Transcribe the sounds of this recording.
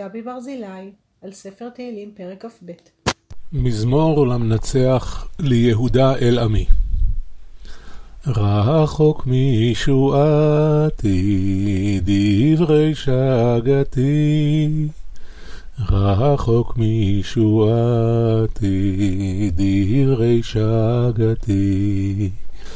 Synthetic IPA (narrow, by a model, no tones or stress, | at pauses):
abibaʁzilaj | alsefeʁt̪eilimpeʁekafbet | mizmo̞ʁlamnat͡seaχlejeɦud̪aʔelami | ʁaɦaχo̞kmiʃuat̪ʰi | d̪ivʁejʃaɡat̪ʰi | ʁaɦaχokmiʃua | t̪ʰi | d̪iivʁejʃaɡat̪ʰi